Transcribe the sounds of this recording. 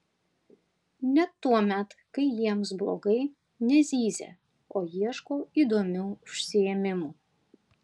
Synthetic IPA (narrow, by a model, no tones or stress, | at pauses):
nʲɛt̪ːuɔmʲɛt̪kɐɪjiɛms̬blˠo̰ːɡɐɪ | nʲɛzʲiːzʲḛː | oːjiɛʃkoːiːd̪oːmʲɛʊʊʃʲsʲɪeːmʲɪmuː